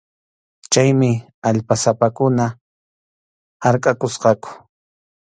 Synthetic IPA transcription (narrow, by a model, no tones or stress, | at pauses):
t͡ʃajmɪ | aʎpasapakʊna | haɾkʼakʊsqɑkʊ̥